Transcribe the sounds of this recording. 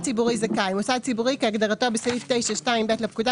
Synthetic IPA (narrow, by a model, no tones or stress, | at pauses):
t͡sibuʁizakajmosad̪̚t͡sibuʁikeaɡdaʁato̞besaiftejʃaʃtaimbetlepkuda